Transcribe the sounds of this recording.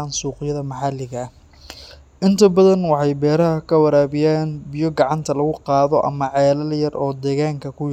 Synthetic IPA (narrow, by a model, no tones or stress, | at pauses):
aːnsuːqɪjɐðɐmɑħɑlɪɣɐ | ʔɪnt̪ʰɐbɐðɐnwɑħɑjbɛːɾɐɦɐkʰɐwɐɾaːβɪjaːnbɪjɔɡɑʕɑnt̪ʰɐlɐɣʊqɑːðɔʔɐ̰mɐʕɛːlɐljɐrʔɔːd̪ɛːɣaːŋkʰɐkʰʊ